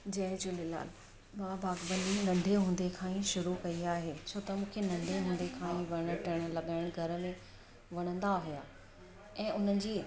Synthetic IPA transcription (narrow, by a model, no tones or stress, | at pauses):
d͡ʑɐɦɪ̃d͡ʑʊlela̰ːl | mãbaːɡbə̃nd̪inɐ̃nɖ̪ʱeɦũːn̆d̪ekʰãːĩʃʊɾukɐiaːɦeːt͡ɕʰoːt̪ɐmũːkʰenɐ̃nd̪ʱeɦũːnd̪ekʰãːĩʋɐɽ̃əʈʰɪɽ̃̆lɐɠaːɪɽ̃ɡʱɐɾəmẽ | ʋɐɽ̃ə̃nd̪aɦʊja | ɛ̃ːʔʊn̤ənɪ̆d͡ʑiː